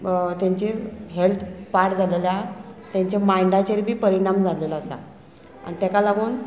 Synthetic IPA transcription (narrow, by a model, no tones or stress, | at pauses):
t̪jaɲt͡ɕiɦelt̪ʰpaʈd͡zʱaleljat̪jãɲt͡ɕamajɳɖat͡ɕeɾbʱiːpəɾiɽ̃amd͡zʱalelasa̰ | a̰nit̪jakalaɡuːn